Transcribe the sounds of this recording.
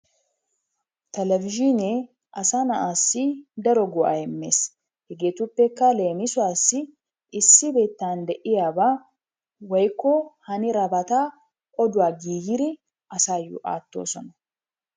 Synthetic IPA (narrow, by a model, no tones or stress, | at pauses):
t̪ɛlɛvɪʒɪne | ʔɐsaːnɐʔaːsːɪd̪ɐɾɔɡɔʔa̰jɛmːḛːs | hɛɡeːt̪ʊpːɛkːale̞ːmɪsʊaːsːɪ | ɪsːɪbe̞ːt̪ːaːnd̪ɛʔɪjaːbaː | wɐjkːɔhɐnɪɾɐbɐt̪aː | ʔʼɔd̪ʊwaːɡiːjɪɾɪ | ʔɐsaːjṵːʔa̰ːt̪ːo̰ːsɔnɐ